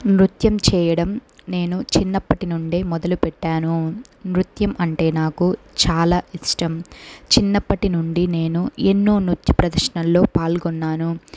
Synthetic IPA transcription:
mɾut̪jɐmt͡ʃɛːjɐɽɐmne̞ːnut͡ʃinːɐpːɐʈinuɳɖeːmɔd̪ɐlupɛʈːaːnunɾut̪jɐmʔɐɳʈe̞ːnaːku | t͡ʃaːlaːiʂʈɐmt͡ʃinːɐpːɐʈinuɳɖine̞ːnuenːoːnut̪jɐpɾɐd̪ɐɾʂɐnɐlːo̞ːpaːlɡɔnːaːnu

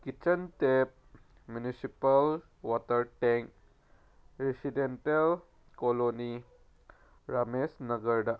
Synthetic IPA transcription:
kit͡ɕənt̪ep̚ | mjunisipəl | ʋɔt̪əɾʈɛ̃ŋk̚ | ɾesidenʈəl | koloni | ɾamesnəɡəɾɖa

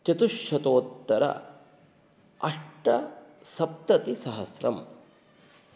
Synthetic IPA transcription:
t͡ʃɐt̪uʃjɐt̪oːt̪ːɐɾɐ̰ | ɐʂʈɐsɐp̚t̪ɐt̪isɐɦɐsɾɐm

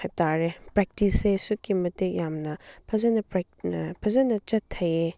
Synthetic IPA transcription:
hajtaɾepɾek̚tisesukimɐtejamnɐpʰɐzɐnɐp | pʰɐzɐnɐt͡ʃɐtʰːɐje

